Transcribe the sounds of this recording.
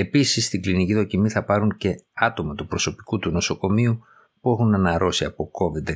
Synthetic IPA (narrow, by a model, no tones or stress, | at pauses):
e̞pisist̪iɡliniciðo̞cimiθɐpɐɾuɲce̞ɐt̪o̞mɐt̪upɾo̞so̞pi̥kut̪uno̞so̞ko̞miu | pue̞xunɐnɐɾo̞siɐpo̞ko̞vid̪e